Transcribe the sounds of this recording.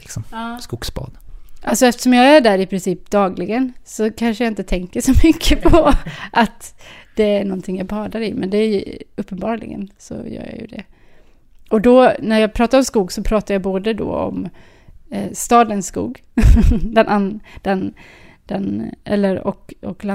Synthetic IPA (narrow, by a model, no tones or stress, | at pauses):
lɪksɔmːskuːɡsbɑ̰ːd̪ʔalsɔɛft̪əʂɔmjɑæɖæːɾɪpʰɾɪnsiːp̚d̪ɑːɡlɪɡənsɔkʰanʂəjaɪnt̪ət̪ʰɛŋkəʂɔmʏkʰːəpʰɔʔat̪d̪̥ɛæɳɔnt̪ʰɪŋjɑbɑːd̪aɾɪmɛnd̪ɛæj̰ɵpːənbɑːɾlɪ̰ɡə̰nsɔ̰jœ̰ːɾjɑ̰jʉ̰d̪ɛ̰ | ɔd̪ɔnæɾjɑːɡpʰɾɑːt̪aɾɔmskuːɡsɔpʰɾɑːt̪aɾjɑboːd̪əd̪ɔ̰ːɔ̰m | st̪ɑːd̪ənsːkṵːɡ | d̪ɛnʔand̪̥ɛn | d̪̥ɛnʔɛ̰lːəɾɔ̰kɔkla